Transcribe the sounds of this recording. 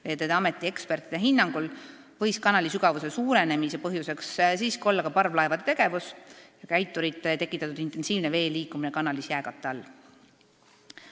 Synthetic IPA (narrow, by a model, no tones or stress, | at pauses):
veːd̪ed̪eɑme̞t̪ːˑie̞kspe̞rt̪ˑid̪̥eɦinːɑŋɡ̥ul | vɤ̞jskɑnɑlisyɡ̥ɑvuse̞suːɾe̞ne̞mise̞pɤɦjuse̞kssiːskio̞lːɑkɑpɑrvlɑevɑd̪et̪e̞ɡ̥e̞vusjɑkæjt̪ːˑuɾit̪ːˑet̪e̞kːˑit̪ːˑɑt̪ud̪int̪e̞nsiːvne̞ve̞ːliːkuminekɑnɑlisjæːɡɑt̪ːˑeɑlː